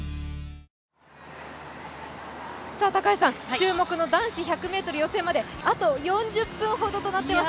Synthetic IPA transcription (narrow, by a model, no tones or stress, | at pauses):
saːt̪akaisãŋt͡ɕɨːmo̞kɯ̟no̞d̪ãɰ̃ɕiçakɯ̟me̞ːt̪o̞ɾɯjo̞se̞ːmad̪e̞at̪o̞jõ̞ɲ̟d͡ʑɨpːɯ̟̃ɰ̃ɦo̞d̪o̞t̪o̞nat̪ːemas